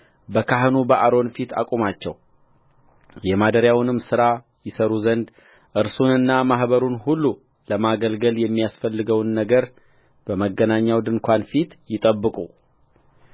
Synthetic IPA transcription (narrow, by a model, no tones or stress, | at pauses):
bəkʰaɦnubəʔaɾo̞nfit̪ʰa̰kʼumat͡ʃːɛ̰w | jɛmad̪əɾjawnɨmsɨɾa | jɪsəɾuzənd̪ | ʔɨɾsunɨnːamaɦbəɾunhulːu | ləmaɡəlɡəljɛmːijasfəlːɨɡəwnːəɡəɾ | b̥əməɡːənaɲːawd̪ɨŋkʰʷanfit̪jɪt̪ʼəbːɨkʼu